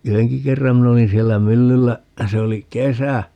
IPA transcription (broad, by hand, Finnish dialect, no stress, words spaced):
yheŋki kerːɑm min olin sielːæ mylːylːæ se oli kesæ